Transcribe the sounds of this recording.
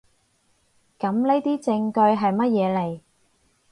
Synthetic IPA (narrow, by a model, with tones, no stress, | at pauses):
kɐ˨˥mle˥jt̪iː˥t͡sɪ˧ŋkɵ˧ɥɦɐ˨jmɐ˥t̚jɛː˨˧le˨˩j